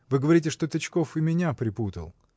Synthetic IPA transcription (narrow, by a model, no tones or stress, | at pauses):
vɨɡəvɐɾʲitʲɪʂt̪o̞t̪ɐt͡ɕko̞fɨmʲɪnʲapɾʲɪput̪ə̰lˠ